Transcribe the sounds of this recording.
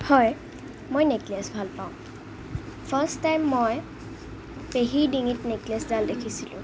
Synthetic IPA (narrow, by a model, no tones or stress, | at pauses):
hɔj | mojneklesbʱalpaʊ̃ | pʰəsajmːoj | peɦidiŋitnekleszaldekʰisilʊ̰̃